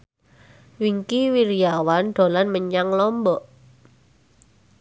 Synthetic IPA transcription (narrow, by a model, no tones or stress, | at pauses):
wiŋkiwiɾijawanɖ̥o̤lanməɲaŋlɔmbɔʔ